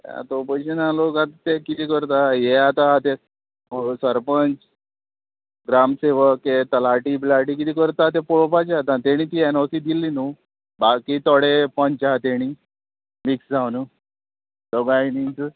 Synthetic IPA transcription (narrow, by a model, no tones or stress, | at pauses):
ja̰t̪opəɕinalokat̪at̪ekit̪iːkəɾt̪ajɛat̪at̪e | səɾpənt͡s | ɡɾamseʋəkːet̪əlaʈiblaʈikit̪iːkəɾt̪at̪epɔɭopat͡ɕat̪ãt̪eɽ̃iːt̪iɛnɔsiːd̪ilinu | bakit̪ɔɽepənt͡ɕat̪eɽ̃i | miksd͡zawnu | dəɡainint̪u